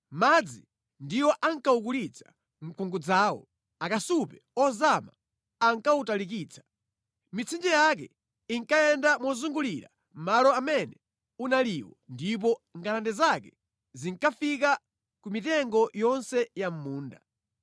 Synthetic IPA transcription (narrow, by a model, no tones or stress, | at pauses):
mad͡zi | ndiwɔʔaŋkauk̬ulit͡sʰḁ | ŋ̩kuŋɡud͡zaːwɔ̰ | akasupɛɔzama̰ː | ŋkautalik̬iːt͡sʰḁ | mit͡sʰind͡ʒɛjak̬ɛ | iŋkajɛndamɔzuŋɡuliɾa̰ | m̩malɔamɛnɛ | unaliwɔndip̬ɔŋɡalandɛzakɛ | ziŋkafik̬a | kumitɛŋɡɔjɔnsɛjam̩muːnda̰